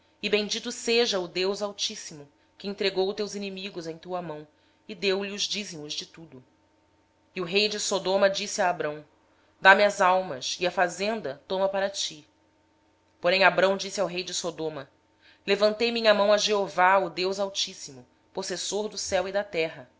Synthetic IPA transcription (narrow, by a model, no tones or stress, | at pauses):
ɪbẽd͡ʒit̪ʊseʒɐʊd̪ewzawt͡ʃisimʊ | kɪẽnt̪ɾeɡowt̪ewzinimiɡʊzẽj̃t̪uɐmɐ̃w̃ | ɪd̪ewliʊzd͡ʒizimʊzd͡ʒɪt̪ud̪ʊ | iuɦejd͡ʒɪsod̪õmɐd͡ʒisiaːbɾɐ̃w̃ | d̪amiɐzawmɐsiɐfazẽnd̪ɐt̪õmɐpaɾɐt͡ʃi | poɾẽj̃abɾɐ̃w̃d͡ʒisiawɦejd͡ʒɪsod̪õmɐ | levɐ̃nt̪ejmĩɲɐmɐ̃w̃ɐʒeovaʊd̪ewzawt͡ʃisimʊ | posesoɾd̪ʊsɛwid̪ɐt̪ɛɦɐ